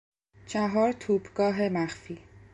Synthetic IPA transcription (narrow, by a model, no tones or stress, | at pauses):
t͡ʃʰæɦɒːɾt̪ʰuːbɡɒːɦe̞mæxfiː